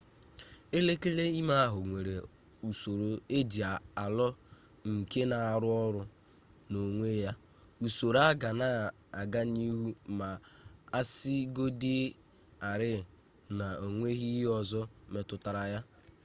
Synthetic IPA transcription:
e˦le˦ke˦le˦i˦ma˦a˦ɦʊ˨ŋʷe˨ɾe˨ | u˨so˨ɾo˨e˦d͡ʒi˨a˨a˨lɔ˦ | ŋ̩˨ke˦na˨a˨ɾʊ˦ɔ˦ɾʊ˦ | no˨ŋʷe˦ja˦ | u˨so˨ɾa˦ɡa˨na˨ | a˨ɡa˦ni˦ɦu˦ma˨a˦si˦ɡo˦di˦ | a˨ɾɪ˦˨ | na˨o˨ŋʷe˦ɦi˦ɦɔ˨zɔ˦me˨tʊ˨ta˨ɾa˨ja˦

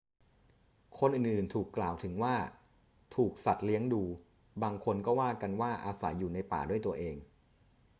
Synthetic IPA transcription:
kʰo˧nʔɯː˨˩nʔɯː˨˩nt̪ʰuː˨˩kːlaː˨˩wt̪ʰɯ˩˦ŋwaː˥˩ | t̪ʰuː˨˩k̚sa˨˩t̪̚li˦˥əŋduː˧ | baː˧ŋkʰo˧nkɔː˥˩waː˥˩ka˧nwaː˥˩ʔaː˧sa˩˦jːuː˨˩na˧jpa̰ː˨˩du˥˩əjt̪u˧ɐʔeː˧ŋ

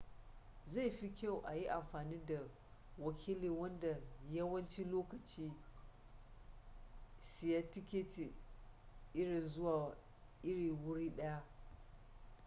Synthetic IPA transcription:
za˦˨jɸi˦kʲa˦˨wʔa˨ji˦ʔa˨mɸaː˨niː˦da˨ | wɐ˨kʲʰiː˦liː˨wɐ˦nda˨jɐ˦wɐ˦nt͡ʃi˦loː˦kɐ˨t͡ʃiː˦ | sɪ˨ja˦tɪ˦kʲeː˦te˨ | ʔɪ˦ɽɪ˨nzʊ˦waː˨ | ʔɪ˦ɽiː˨wʊ˦ɽiː˦ɗɐ˦ja˦ʔ

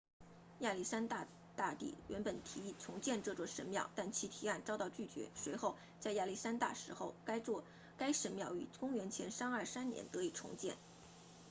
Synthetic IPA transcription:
ja˥˧li˥˩sa˥nt̪a˥˧ | t̪a˥˧t̪ḭ˥˩ɥɛ˧˥npə˨˩nt̪ʰi˧˥i˥˩ʈ͡ʂʰʊ˧˥ŋt͡ɕjɛ˥˧nʈ͡ʂɤ˥˧t͡swɔ˥˩ʂə˧˥nmjɑ̰˥˩ʊt̪a˥˩nt͡ɕʰi˧˥t̪ʰi˧˥a˥˩nt͡sɑ˥ʊt̪ɑ˥˧ʊt͡ɕy˥˩t͡ɕɥɛ̰˧˥swe˧˥ɪxo˥˧ʊ | t͡sa˥˧ɪja˥˩li˥˩sa˥nt̪a̰˥˩ʂɻ̩˧˥xo˥˩ʊka˥ɪ˥˧ | ka˥ɪʂə˧˥nmjɑ˥˩ʊy̰˨˩kʊ˥ŋɥɛ˧˥nt͡ɕʰjɛ̰˧˥nʂa˥nə˞˥˩sa˥nnjɛ̰˧˥nt̪ɤ˧˥i˨˩ʈ͡ʂʰʊ̰˧˥ŋt͡ɕjɛ̰˥˩n

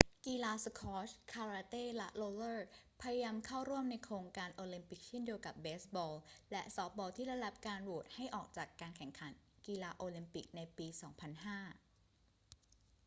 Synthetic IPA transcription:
kiː˧laː˧skʰɔː˦˥skʰaː˧ɾaː˧t̪eː˥˩lɛ˦˥ʔloː˧lɤː˥˩pʰa˧ja˧jaː˧mkʰa˥˩wɾu˥˩əmna˧jkʰɾoː˧ŋkaː˧nʔoː˧li˧mpi˨˩k̚t͡ɕʰi˥˩ndi˧əwka˨˩p̚beː˦˥sbɔː˧llɛ˦˥ʔsɔː˦˥p̚bɔː˧t̪ʰiː˥˩ɾa˧˥da˨˩p̚kaː˧nwu˨˩ət̪̚ha˥˩jʔɔː˨˩k̚t͡ɕaː˨˩kːaː˧nkʰɛ˨˩ŋkʰa˩˦nkiː˧laː˧ʔoː˧li˧mpi˨˩k̚na˧jpiː˧sɔː˩˦ŋpʰa˧nɦaː˥˩

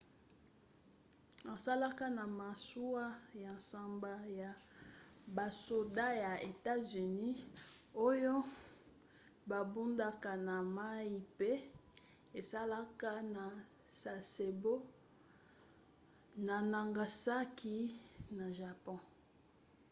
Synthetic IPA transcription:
a˨sa˦la˦ka˦na˨ma˨su˦wa˦ja˨sa˨mba˨ja˨ | ba˨so˨da˦ja˨e˨ta˦zy˨ni˦o˦jo˦ | ba˨bu˦nda˦ka˨na˨ma˦ji˦pe˦ | e˨sa˦la˦ka˦na˨ | sa˨se˨bo˦ | na˨na˨ŋɡa˨sa˦ki˦na˨ʒa˨pɔ̃˦

